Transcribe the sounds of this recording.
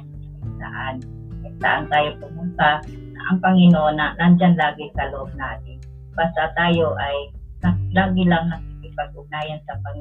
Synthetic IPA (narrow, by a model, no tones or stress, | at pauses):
sa̰ʔan | nɐɡ̚sa̰ʔa̰nt̪aːjokʊmʊnt̪a | nɐʔɐŋpɐŋɪnoʔonanand͡ʒanlaːɡɪkɐloʔob̚naːt̪ɪn | baːst̪at̪aːjoʔaj | nalaːɡɪlaŋnɐkɪkɪpaɡ̚ʔʊɡ̚naːjansɐpaŋɪ